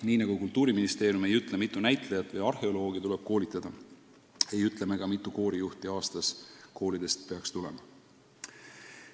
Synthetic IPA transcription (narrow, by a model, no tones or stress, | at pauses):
niːnɑɡukult̪ˑːuːɾiminist̪e̞ːɾjume̞jyt̪ˑlemit̪ːˑunæjt̪ˑlejɑt̪ːˑvɤjɑrhe̞olo̞ːɡ̥it̪ule̞b̥̚ko̞ːlʲit̪ˑːɑd̪̥ɑ | e̞jyt̪ˑle̞meɡ̥ɑmit̪ːˑuko̞ːɾijuht̪iɑːst̪ɑsko̞ːlid̪̥e̞st̪̚pe̞ɑkst̪ule̞̰mɑ